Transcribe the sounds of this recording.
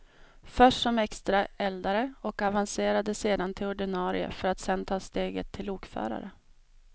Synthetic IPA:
fœʂʈsɔmɛkst̪ɾaɛld̪aɾəɔkavanseːɾad̪əseːd̪ant̪ʰɪlɔɖɪnɑːɾɪ̰ə̰fœɾat̪sɛnt̪ʰɑːst̪eːɡə̰t̪ʰːɪluːkfœ̰ːɾa̰ɾə

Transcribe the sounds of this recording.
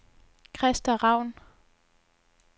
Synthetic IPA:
kʰʁɛsd̥ɐʁɑ̈ʊ̰n

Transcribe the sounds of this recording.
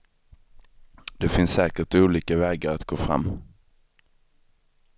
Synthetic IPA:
d̪ɛfɪnsːɛːkəʈuːliːkavɛːɡaɾat̪ɡ̥oːfɾa̰mː

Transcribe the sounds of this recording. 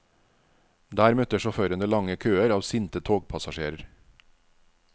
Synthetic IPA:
d̪æːɾmœt̪əʃɔføːɾənəlɑŋəkʰøːəɾɑːʋsɪnt̪ət̪ʰoːɡpʰɑsɑʃeːɾəɾ

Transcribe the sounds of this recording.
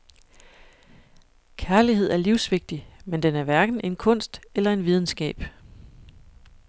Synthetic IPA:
kʰæɐliɦe̝ð̞̰ˠæɐliʊsʋe̝ɡ̥̚d̥imend̥enæɐʋæɐɡ̥n̩ʔe̝nkʰɔ̽n̰sd̥elɐe̝nʋið̞ˠn̩sɡ̥ɛ̰ːb̥

